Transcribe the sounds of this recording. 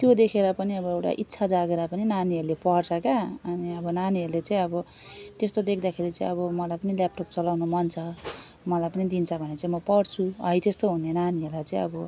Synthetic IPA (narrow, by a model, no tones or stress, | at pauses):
t̪jod̪ekʰeɾapʌniʌbʌewʈa̰ʔit̪ːsʰad͡zaɡeɾapʌninaniʌɾlepʌrt͡sʰʌkaʌniʌbʌnaniɦʌɾlet͡sãĩʌbʌ | t̪est̪od̪ekʰd̪akʰeɾit͡sãĩʌβʌmʌlajpʌnilap̚ʈop̚t͡sʌlawnomʌnt͡sʰʌ | mʌlajpʌnid̪int͡sʰʌbʱʌnet͡sãĩmʌpʌɽt͡sʰuʌjt̪est̪oɦunenaniɦʌɾlajt͡saĩʌbʌ